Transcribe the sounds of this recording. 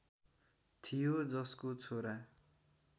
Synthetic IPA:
t̪ʰijod͡zʌskot͡sʰoɾa

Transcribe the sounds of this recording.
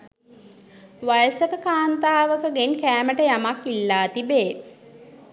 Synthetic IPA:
ʋajəsəkəkaːnt̪aːʋəkəɡenkæːməʈəjamakːilːaːt̪ibe

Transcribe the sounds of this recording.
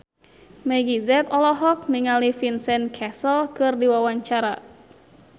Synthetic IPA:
mɛɡizɛt̪ɔlɔɦɔk̚niŋalifinsɛnkʰɛsəlkɨrdiwawaɲt͡ʃaɾa̰

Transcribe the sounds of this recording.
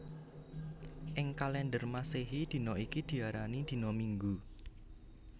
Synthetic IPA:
ʔɪŋkalɛndərmaseɦid̪̥i̤nɔikid̪̥i̤aɾanid̪̥i̤nɔmiŋɡu

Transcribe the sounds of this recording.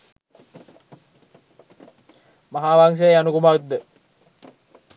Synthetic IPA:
maɦaːʋaŋs̬ejanukumakt̪̚d̪ə

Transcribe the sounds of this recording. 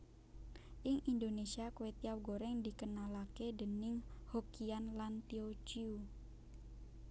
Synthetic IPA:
ʔɪŋʔind̪onesiakuwet̪iawɡoɾɛŋd̪ikənalakedənɪŋhokianlant̪iot͡ʃiu

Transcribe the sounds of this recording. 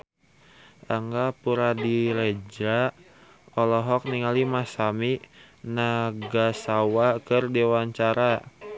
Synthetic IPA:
ʔaŋɡapuɾadiɾɛd͡ʒɾa | ɔlɔɦɔk̚niŋalimasami | naɡasawakɨrdewaɲt͡ʃaɾa

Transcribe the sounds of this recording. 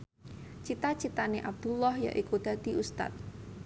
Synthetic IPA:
t͡ʃit̪at͡ʃit̪aneʔab̚d̪̥ulɔhja̰ʔikud̪̥a̤d̪̥i̤ʔust̪a̰t̪̚

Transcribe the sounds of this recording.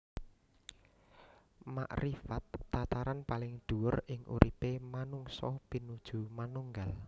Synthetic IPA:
ma̰ʔɾifat̪ːat̪aɾanpalɪŋd̪̥ṳwʊrɪŋʔṵɾʔipemanuŋsɔpinud̥ʒ̥ṳmanuŋɡal

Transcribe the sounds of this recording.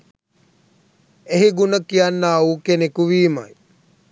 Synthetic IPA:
eɦiɡunəkijanːauːkenekuʋiːma̰j

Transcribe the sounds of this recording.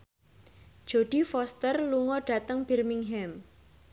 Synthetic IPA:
ʒ̥o̤ɖ̥i̤fɔst̪ərluŋɔɖ̥a̤t̪əŋb̥i̤rmiŋɦɛm

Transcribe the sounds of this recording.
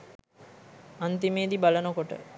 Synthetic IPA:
ant̪imeːd̪ibalənəkoʈə̰

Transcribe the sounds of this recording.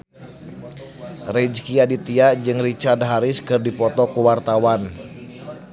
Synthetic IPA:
rɛd͡ʒkiadit̪iaʔd͡ʒɨŋrit͡ʃardɦaɾɪskɨrdipɔt̪ɔkuwart̪awan

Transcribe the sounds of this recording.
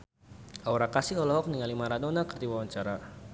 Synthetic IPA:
ʔauɾakasiɔlɔɦɔk̚niŋalimaɾadonakərd̪iwawaɲt͡ʃaɾa

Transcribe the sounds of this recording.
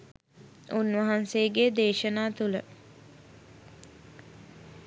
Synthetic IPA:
unʋɐɦanseəɡeːd̪eːʃənaːt̪ulə

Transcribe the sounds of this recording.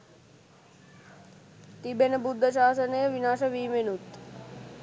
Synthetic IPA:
t̪ibenɐbud̪ʱːəʃaːsəneʋinaːʃɐʋiːmenut̪

